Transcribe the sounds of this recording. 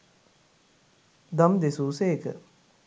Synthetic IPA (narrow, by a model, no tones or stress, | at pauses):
d̪amd̪esuːseːkə̰